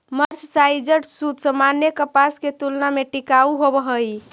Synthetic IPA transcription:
məɾssajd͡ʒəɽsud̪səmanjekəpasket̪ulnameʈikauɦobəɦəj

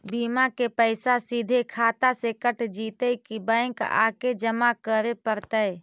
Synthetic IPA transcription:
biːmakepəɪsasid̪ʱekʰaːt̪asekəʈd͡ʒiːt̪əikibəɪ̃ŋka̰ːked͡ʒəmakəɾepəɾt̪əj

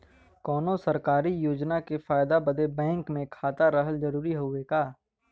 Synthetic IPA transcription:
kɔːnõsɐɾkaːɾijoːd͡ʒnakefaːjd̪abəd̪ebɛ̃ːŋkmẽkʰaːt̪aɾəɦəlzɐɾuːɾiɦoekaː

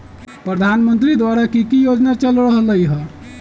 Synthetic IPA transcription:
pɾəd̪ʱanmənt̪ɾid̪waɾakikijod͡ʒnat͡ʃəlɾəɦləjɦɛ

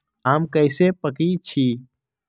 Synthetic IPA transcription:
aːmkəɪsepəkit͡ʃʰi

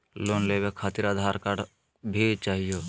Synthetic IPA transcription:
loːnlebekʰaːt̪ɪɾaːd̪ʱaːɾkaɖ | bʱit͡ʃaːɦijoː

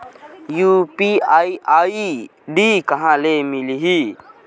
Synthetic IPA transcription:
juːpiaːiaːi | ɖiːkɐɦãːleːmiliɦiː

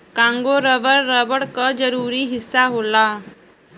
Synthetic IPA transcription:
kãŋɡoɾəʋəɽɾəbəɽkəd͡zəɾuːɾiːɦisːaɦola

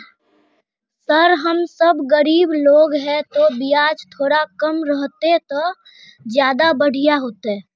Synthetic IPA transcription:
səɾɦəmsəbɡəɾiːbloːɡɦɛ̃t̪obɪjaːd͡ʒt̪ʰoːɾakəmɾəɦt̪et̪o | d͡ʒjaːd̪abəɽ̤ijaɦoːt̪eɛː

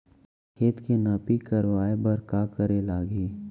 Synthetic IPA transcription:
kʰeːt̪kenapikəɾʋaːebɐɾkaːkəɾelaːɡiː

